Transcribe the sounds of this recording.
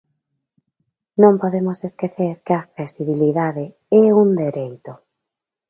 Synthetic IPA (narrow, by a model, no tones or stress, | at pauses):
nõmpoðemoseskeθeɾkɪaːk̚θesiβ̞iliðaðe | ɛund̪eɾejt̪ʊ